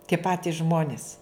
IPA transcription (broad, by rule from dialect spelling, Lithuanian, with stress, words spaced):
tʲiɛ ˈpɑːtʲɪs ˈʒmoːnʲɪs